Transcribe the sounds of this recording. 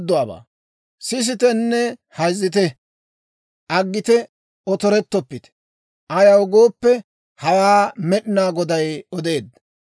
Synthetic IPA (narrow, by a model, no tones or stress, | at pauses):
d̪ːʊwaːba̰ː | sɪs̬ɪt̪ɛnːɛhɐjzːɪt̪̬ɛ | ʔɐɡːɪt̪ɛ | ɔt̪ɔɾɛt̪ːɔpːɪt̪ɛ̥ | ʔɐjɐwɡoːpːɛ | hɐwaːmɛɗɪnaːɡɔd̪ɐjɔd̪e̞ːd̪